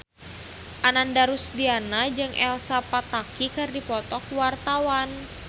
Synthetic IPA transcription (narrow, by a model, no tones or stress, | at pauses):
ʔanandaɾusdianad͡ʒɨŋʔɛ̰lsapat̪akikɨrdipɔt̪ɔk̚wart̪awan